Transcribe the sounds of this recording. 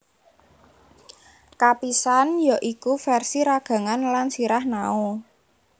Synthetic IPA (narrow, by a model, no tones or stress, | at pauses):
kapisanjaʔikufɛrsiɾaɡ̥ä̤ŋanlansiɾahnao